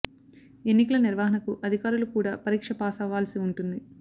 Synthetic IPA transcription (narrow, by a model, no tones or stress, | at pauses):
e̞nːikɐlɐniɾʋaːɦɐnɐkuʔɐd̪ʱikaːɾulukuːɽaːpɐɾiːkʂɐpaːsaːʋaːlsiuɳʈund̪i